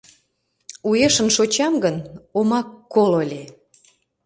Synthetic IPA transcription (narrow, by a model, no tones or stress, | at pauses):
ujeʃə̆nʃot͡ɕɑmɡənomɑkːololʲe